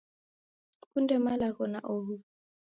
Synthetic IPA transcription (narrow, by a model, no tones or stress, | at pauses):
kundɛmalaɣɔnaʔoɦu